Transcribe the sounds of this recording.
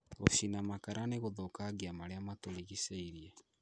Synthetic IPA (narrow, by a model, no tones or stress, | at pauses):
o̰ɕinamakaɾʔaneɣoðokaɣiamaɾeamatoɾiɣiseiɾiɛ